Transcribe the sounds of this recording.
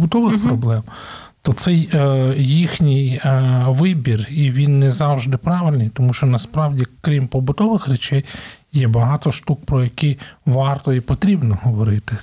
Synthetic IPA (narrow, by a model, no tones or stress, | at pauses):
bʊt̪ɔʋɪxpɾɔblˠɛm | t̪ɔt̪sɛjjixnʲɪjʋɪbʲiriʋʲinːɛzɑwʒd̪ɪpɾɑʋɪlʲnɨjt̪ɔmuʃt͡ʃɔnɐspɾɑwdʲikɾʲimpɔbʊt̪ɔʋɪxɾʲɛt͡ʃɛjː | ɛbɐɦɑt̪ɔʃt̪uk̚pɾɔjɐkiʋɑrt̪ɔipɔt̪ɾʲibnɔɦɔʋɔɾɪt̪ɪ